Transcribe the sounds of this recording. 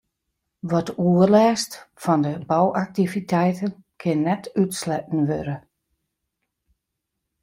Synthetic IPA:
ʋɔtuərlɛːstfɔndəbɔwʔak̚tivitʰɛjtənkʰɪnːɛtytslɛt̚n̩ʋøɾə

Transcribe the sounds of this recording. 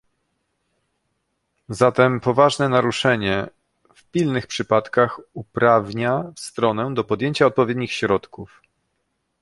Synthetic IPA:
zat̪ɛmpɔvaʐnɛnaɾuʂɛɲɛ | fpʲilnɘxpʂɘpat̪kaxupɾavɲafst̪ɾɔnɛd̪ɔpɔd̪jeɲt͡ɕaɔt̪̚pɔvʲjed̪ɲixɕɾɔt̪kuf

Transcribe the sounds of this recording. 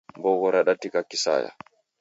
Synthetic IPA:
mbɔɡɔɾaɗatːikakːisa̰ːja̰

